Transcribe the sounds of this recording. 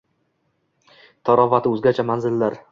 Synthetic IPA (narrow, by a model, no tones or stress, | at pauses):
t̪ʰɒɾɒvat̪ʰɪɵzɡʲat͡ʃʰamanzɪlːaɾ